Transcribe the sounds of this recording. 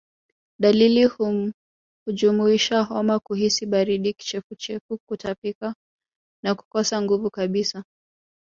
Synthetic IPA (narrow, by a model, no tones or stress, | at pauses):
ɗalilihu | hud͡ʒumuiʃaɦɔmakuɦisiɓaɾiɗiki̥t͡ʃɛfut͡ʃɛfukutapika | naku̥kɔsaŋɡuvukaɓisa